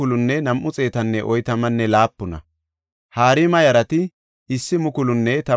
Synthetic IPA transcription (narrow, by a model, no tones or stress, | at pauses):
ʊlʊnːɛnɐmʔːʊt͡sʼe̞ːt̪ɐnːɛʔɔjt̪ɐmɐnːɛlaːpːʊnɐ̰ | haːɾɪmɐjɐɾɐt̪ɪ | ɪsːɪmʊkʊlʊnːɛt̪ɐ